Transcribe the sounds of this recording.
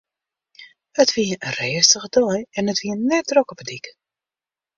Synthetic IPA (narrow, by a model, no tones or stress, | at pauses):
ətʋiəərɛːstəɣədɔjɛnətʋiənɛt̚drɔkəpədikə